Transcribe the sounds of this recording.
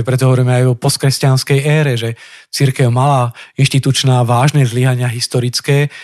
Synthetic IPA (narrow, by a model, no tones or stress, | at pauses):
pɾɛt̪ɔɦɔʋɔɾiːmɛajɔpɔst̪kɾɛscanskɛjɛːɾɛʒɛt͡siɾkɛʊmalainʃt̪it̪ut͡ʃnaːʋaːʒnɛːzliːɦaɲɪaɦist̪ɔɾit͡skɛː